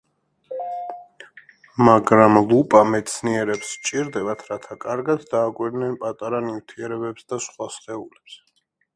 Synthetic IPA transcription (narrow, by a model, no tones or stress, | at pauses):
maɡɾamlˠupʼamɛt̪sʰniɛɾɛpst͡ʃʼiɾd̪ɛbat̪ʰɾat̪ʰakʼaɾɡad̪d̪aːkʼwiɾnɛnpʼat̪ʼaɾaniwt̪ʰiɛɾɛbɛpsd̪asχwasχʼɛulɛps